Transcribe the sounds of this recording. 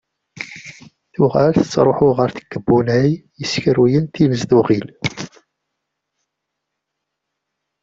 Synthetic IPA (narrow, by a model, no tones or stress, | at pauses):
θʊʁælθət͡sːɾˤoħʊʁəɾθə̥ɡ̥ːəbːunæjjəsçəɾijənt̪iməzðuʁil